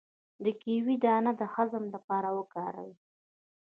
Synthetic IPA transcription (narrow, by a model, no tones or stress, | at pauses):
d̪əkiwid̪ɑnad̪əxazəmlapɑɾawəkɑɾa̰wi